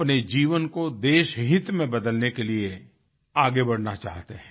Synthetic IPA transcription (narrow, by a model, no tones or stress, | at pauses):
pned͡ʒiːʋənkod̪eːʃɦɪt̪mẽbɐd̪əlnekelie | aːɡebɐɽ̤nat͡ʃa̰ːɦt̪eɦɛ̃